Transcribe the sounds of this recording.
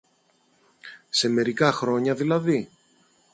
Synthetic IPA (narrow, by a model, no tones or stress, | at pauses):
se̞me̞ɾikɐxɾo̞ɲɐðilɐði